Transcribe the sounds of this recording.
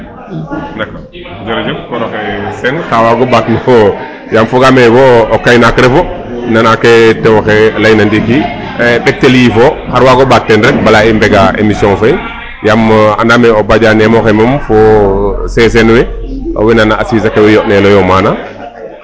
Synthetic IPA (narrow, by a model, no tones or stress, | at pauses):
nako | d͡ʒɔɾd͡ʒukɔnɔkɛsɛnkawaɡɔbaknɔ | jamfɔɡamɛwɔːkajnakɾɛfɔ | nanakːɛtɛwxɛlajnandiki | ɓɛk̚teljifɔhaɾwaɡɔbak̚tɛnɾɛbalaimbɛɡaḛmisjɔ̃ŋfaj | jama̰ndamɛɔbad͡ʒanɛmɔxɛmamfɔsɛs̬ɛnwɛʔo̰winanaasisakɛwɛjɔʔnɛlɔjɔmana